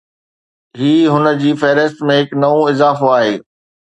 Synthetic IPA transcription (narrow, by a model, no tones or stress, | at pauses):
ɦiːɦʊnə̆d͡ʑiːfeːɾəst̪mẽɦɪknɐʋõɪzaːfoaːɦeː